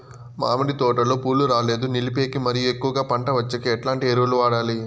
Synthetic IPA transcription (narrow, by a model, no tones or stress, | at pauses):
ma̰ːmɐɽit̪ɔːʈɐloːpuːlːuɾaːle̞ːd̪unilipe̞ːkimɐɾijuekːuʋɐɡaːpɐɳʈɐʋɐt͡ʃːɐkeɛʈlaːɳʈieɾuʋɐluʋaːɽaːli